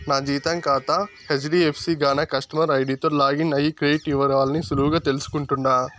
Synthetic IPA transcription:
naːd͡ʒiːt̪ɐŋkaːt̪ɐ | het͡ʃɖiepʰsiːɡaːnɐkɐʂʈɐmɐɾɐjɖit̪olaːɡinɐjikɾeɖiʈiʋːɐɾɐʋaːlɐnisuluɦuɡaːt̪e̞lusu̥kuɳʈund̪aː

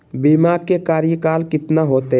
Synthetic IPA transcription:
bimaːɡ̚kekaːɾjəkaːlkɪt̪naɦoːt̪e

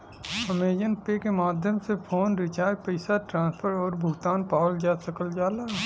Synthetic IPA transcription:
əmeːd͡ʒənpekemaːd̪ʱjəmsepʰoːnɾɪt͡ʃaːpəɪsaʈɾãːnspʰəɾɔːɾbʱʊɡt̪aːnpaːwəld͡ʒaːsəkəld͡ʒaːlaː

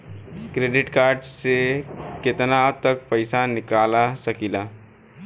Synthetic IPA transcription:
kɾeːɖɪʈkaːɾɖsekɪt̪nat̪ək̚pəɪsanɪkaːlasɐkilaː

